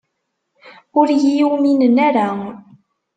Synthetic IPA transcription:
ʊɾjijuwminənaɾa

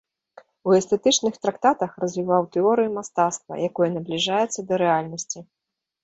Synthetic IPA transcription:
uɛst̪ɛt̪ɨt͡ʂnɨxt̪ɾakt̪at̪ɐxrɐzʲvʲivawt̪ɛɔɾɨjumast̪at̪st̪vɐ̰jakɔjɐnɐblʲiʐajɛt̪sːɐd̪ɐɾɛalʲnɐsʲt͡sʲi

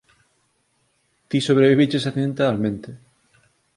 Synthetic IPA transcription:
t̪isoβ̞ɾeβiβit͡ʃesaθẽnt̪almẽnt̪e

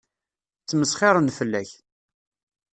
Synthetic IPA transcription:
t͡sːməsχɪɾˤənfəlːæç

